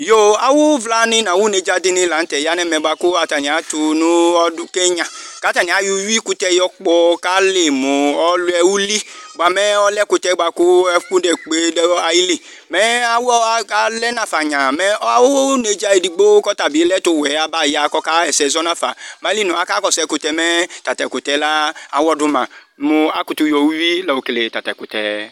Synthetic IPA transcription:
jo˦a˨wo˦vla˧nĩ˧˦nã˨wu˦ne˧d͡ʒa˧di˧nĩ˧˦la˨n̩˦tɛ˨ja˨˦nɛ˦mɛ˨˧ɡ͡ba˧ko˦a˨ta˨nĩ˨a˨˦tu˧nũ˦ɔ˧du˧ke˦ɲã˨ka˨˦ta˨ni˨a˨˦ju˧ji˦ku˧tɛ˧jɔ˧k͡pɔ˧ka˦le˨mo˨ɔ˦lɛ˧wu˦li˦ɡ͡ba˧mɛ˦ɔ˦lɛ˦ku˧tɛ˧˦ɡ͡ba˧ko˦ɛ˧˦ku˦dɛ˨k͡pe˨dɛ˦a˧ji˦li˦˨ | mɛ˦a˦wɔ˦a˦lɛ˦nã˨fa˨ɲã˨mɛ˦ɔ˦a˦wo˦wo˦ne˨d͡ʒa˦˧e˨di˨˧ɡ͡bo˦kɔ˦ta˨bi˨˦lɛ˦to˧˨wɛ˨˦a˨ba˦˨ja˨kɔ˦ka˦ɛ˨sɛ˨˧zɔ˦nã˦˨fa̰˨ma˨˦li˦nũ˨a˨˦ka˦kɔ˨sɛ˧˨ku˧tɛ˧mɛ˦ta˨ta˨ku˨tɛ˨˦la˦a̰˨wɔ˦dʊ˦mã˨ | mʊ˨a˨ku˨tu˧jɔ˧wu˦wi˦lɔ˨wo˨kle˨ta˨ta˨ku˨tɛ̰˨

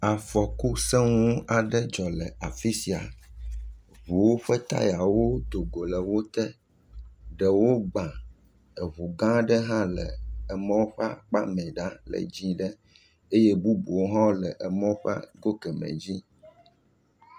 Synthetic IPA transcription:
a˨fɔ˨ku˦sɛ˦ŋũ˦a˨ɖə˦d͡ʒɔ˨lɛ˨a˨fi˦si˨a̰˨ | βu˨wo˦ɸɛ˦t̪a̰˦ja˨wo˦t̪o˨ɡo˨lə˨wo˦t̪ɛ˦ | ɖɛ˨wo˦ɡ͡bã˨ | ɛ˨βu˨ɡã˦ɖə˦ɦã˦lɛ̰˨ɛ˨mɔ̃˦ɸa˦k͡pa˦mɛ̃˨ɖa˦lɛ̰˨d͡ʑĩ˦ɖə˦ | e˦je˦bu˦bu˨wo˦ɦɔ̃˦lɛ˨ʔɛ˨mɔ̃˦ɸa̰˦ɡo˦kɛ˨mɛ̰̃˨d͡ʑi˦

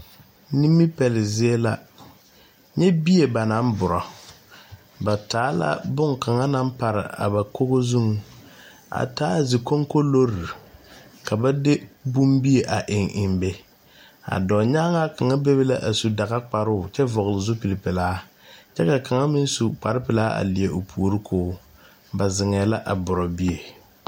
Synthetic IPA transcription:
ni˦mːi˦pɛ˨lɪ˨zɪ˦e˦la˦ | ɲɛ˦bi˦e˨ba˨na˦m˦bʊ˨ɾɔ˨ | ba˨taː˨˦la̰˦bʊ˦ŋka˨ŋa˦na˦mpa˨ɾɪ̰˨a̰˨ba˨ko˦ɣo˦zu˦ŋ˦ | a̰˨taː˦˨zɪ˨ko˦ŋko˦lo˦ɾi˨ka˨ba˦dɪ˦bu˦mbi˦e˨ʔa˨ʔɪ˨ŋʔɪ˨mbe˦ | a̰˨dɔː˨ɲaː˦ŋa˦ka˨ŋa˦be˦βe˦la˦ʔa˨su˨da˨ɣa˦k͡pa˨ɾʊː˦˨t͡ʃɛ˦vɔ˨ɣlɪ˨zʊ˦pi˨lɪ˨pɪ˨laː˦ | t͡ʃɛ˦ka˨ka˨ŋa˦mɪ˦n˦su˨k͡pa˨ɾɪ˦pɪ˨laː˦a̰˨li˨e˨ʔo˨pʰu˨o˨ɾɪ˦kʰoː˦ | ba˨zɪ˨ŋɛː˨˦la˦ʔa˨bʊ˨ɾɔ˨bi˦e˨

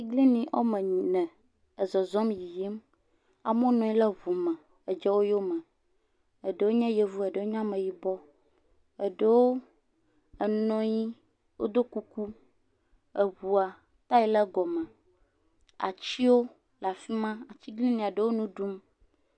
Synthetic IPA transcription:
i˦ɡli˦nĩ˨ʔo˦mɛ̃˨nɛ̃˨ | ə˨zɔ˨zɔ˦mji˨ji˦m | a̰˨mõ˦nɔ̃˨i˦lɛ˦βu˨mɛ̃˨ | ə˨d͡ʒɛ˦wo˦jo˦mɛ̃˨ | ə˨ɖə˨wo˦ɲɛ̃˦je˨vu˦ɛ˨ɖə˨o˦ɲã˦mɛ̃˨ji˦bɔ˦ | ə˨ɖə˦wo˦ | ə˨nɔ̃˦ji˦ | wo̰˦d̪o˦ku˦ku˦ | ə˨βu˨a˨ | t̪a˦ji˦lɛ˦ɡɔ˨mɛ̃˨ | a̰˨t͡ɕi˦wo˦ | la˨fi˦mã˦a˨t͡ɕi˦ɡli˦nĩ˨a˨ɖə˨wo˦nũ˦ɖu˦m

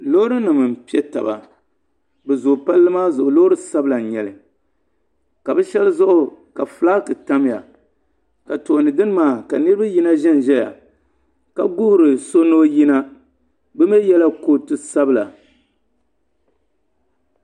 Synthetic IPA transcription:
loː˦ɾɨ˦nɨ˨mɨ˨m̩˨pi˦ɛ˦ta̰˨ba̰˨ | bɛ˨zʊ˨pa˦lːɨ˦maː˦zʊ˨ʔʊ˨loː˦ɾɨ˦sa˦bɨla˨ɲɛ˨lɨ˨ | ka˨bɛ˦ʃɛ˦lɨ˦zʊ˦ʔʊ˨ka˨fɨ˨˦laː˦kɨ˨ta˦m˦ja̰˨ | ka˨to˨nɨ˨dɨ˦n˦maː˦˨ka˨nɨ˦ɾɨ˦ba˦ji˦na˦ʒɛ˦n˨ʒɛ˦ja̰˨ | ka˨ɡʊ˦hʊ˦ɾɨ˨so˦noː˦ji˦na˦ | bɨ˦me˦jɛ˦la˦ko˦tɨ˦sa˦bɨ˦la˨

